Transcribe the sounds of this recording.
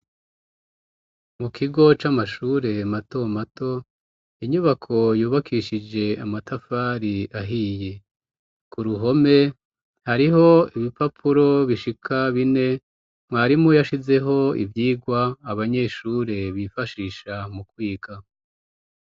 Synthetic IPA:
mukʰiɡo̞t͡ʃamaʃuːɾe̞mato̞mato̞ | iɲuβakʰo̞juːβakʰiʃid͡ʒe̞amatʰafaːɾiaɦije | kuɾuɦo̞me̞ | haɾiɦo̞iβipapʰuɾo̞βiʃikʰaβine̞ | mwaːɾimujaʃize̞ɦo̞ḭvjiːɡwaːβaɲe̞ːʃuːɾe̞βifaʃiːʃamukwiːka

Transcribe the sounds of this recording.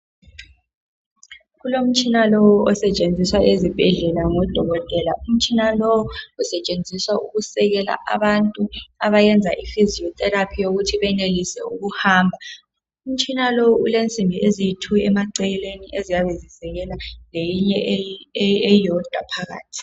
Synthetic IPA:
ɣulom̩t͡ʃʼinalɔwɔɔsɛt͡ʃʼend͡zʱiswaʔezib̥ʱɛɮɛlaŋɔd̥ʱɔɣɔtʼɛːlaum̩t͡ʃʼinalɔwɔusɛt͡ʃʼend͡zʱiswauɣusɛɣɛla̰ʔa̰βantʼuaβajɛnd͡zʱa̰ʔifiziɔt̪ʼɛɾapʰijoɣutʰiβɛnelisɛ̰uɣuhaːmbʱa | um̩t͡ʃʼinalowulent͡sʼimbʱiezijitʰuɛmaǀɛlɛleniʔezijaβɛzisɛɣɛlalejiɲɛ | ejɔd̥ʱwapʰaɣa̰ːtʰi̥

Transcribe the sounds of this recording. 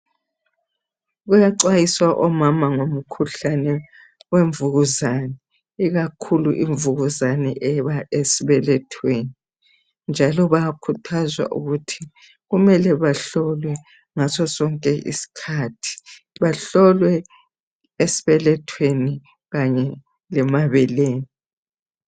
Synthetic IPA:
ɣujaǀwajiswaʔɔmamaŋom̩kʰuɬanɛ | weɱvuɣuzanɛ | iɣakʰuluʔiɱvuɣuzanɛʔɛβaesiβɛlɛtʰweni | nd͡ʒʱalɔβakʰutʰazwa̰ʔṵɣutʰi | ɣumɛlɛβaɬɔlwɛ | ŋasɔsɔŋkʼɛʔḭsi̥kʰaːtʰi̥ | βaɬɔlwɛ | esi̥βɛlɛtʰweni | ɣaɲɛ | lɛmaβɛleːni

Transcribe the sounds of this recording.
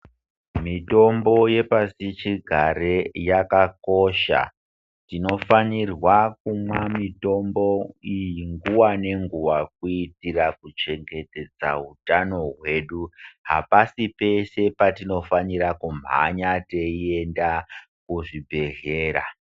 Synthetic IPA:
mito̞mbo̞je̞pasit͡ʃiɡʱaɾejakako̞ʃa̰ | tino̞fanirwakumwamito̞mbo̞ijiŋɡuwane̞ŋɡuwak̚uitirakut͡ʃe̞ŋɡe̞te̞d͡za̰ɦutano̞ɦwe̞ɗuɦa̰pasipe̞se̞patino̞faniɾakum̤a̰ɲateie̞nda | kuʐibʱe̞ɮe̞ːɾa̰

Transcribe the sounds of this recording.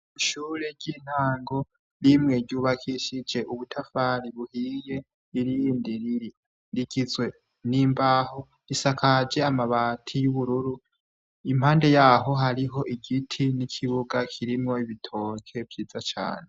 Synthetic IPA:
iʃuːɾeɾɟiːn̥haːŋɡo̞ | ɾimŋe̞ɟuːβakʰiʃid͡ʒe̞ʔuβutʰafaɾiβuhije̞ | iɾiːndi | ɾiɡizwe̞ | niːmbaho | ɾisakʰad͡ʒe̞amaβaːtʰijuβuɾuɾu | im̥haːnde̞jaːɦo̞ɦaɾiɦo̞ʔiɡitʰinikʰiβuɡakʰiɾimŋo̞iβitʰo̞ːkʰe̞vjiːzat͡ʃa̰ːne

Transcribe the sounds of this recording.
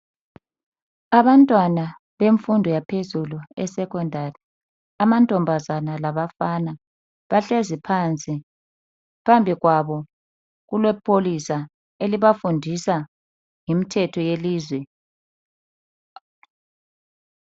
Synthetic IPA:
aβantʼwana | βeɱfundʱɔjapʰezuluɛ̰sɛkʰɔndʱari | amantʼɔmbʱazanalaβafana | βaɬezipʰant͡sʼi | pʰambʱiɣwaβɔ | ɣulwɛpʰolisa | eliβafundʱisa | ŋimitʰɛtʰɔjeliːzwɛ

